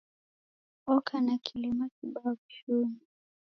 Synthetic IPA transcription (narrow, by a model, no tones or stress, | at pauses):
ɔkʰanakʰilimakiɓaɔt͡ʃuni